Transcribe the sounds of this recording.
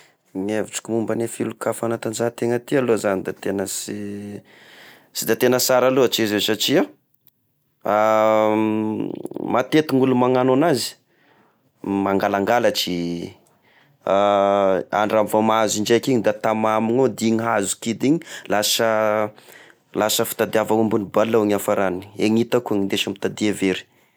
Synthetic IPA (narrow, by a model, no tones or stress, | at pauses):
ŋeviʈ͡ʂi̥kʲimumbənefilukafanat̪and͡ʒat̪eŋət̪ialozanid̪at̪enəsi | sid̪at̪enəsaɾaloat͡ʃizesaʈ͡ʂia | a | mat̪et̪uŋulumaŋanonazi̥ | maŋɡalaŋɡalat͡ʃi | a̰ɳɖ͡ʐamvomazind͡ʒekiɲid̪at̪amamiɲod̪iɲiɦazu̥kid̪iɲi̥lasə | lasəfi̥t̪ad̪iavawumbunibalːaaɲafaɾannieɲit̪akuaŋind̪eʃamit̪ad̪iaveɾi̥